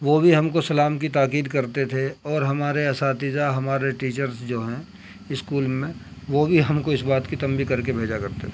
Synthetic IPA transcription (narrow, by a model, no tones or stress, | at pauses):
ʋobʱiɦɐmkosɐlaːmkit̪aːkiːd̪kɐɾt̪et̪ʰeɔːɾɦɐmaːɾeɐsaːt̪izaɦɐmaːɾeʈiːt͡ʃəɾsd͡ʒoːɦɛ̃ | ɪskuːlmẽʋobʱiɦɐmkoɪsbaːt̪kit̪ɐ̃mbikɐɾkebʱeːd͡ʒakɐɾt̪et̪ʰe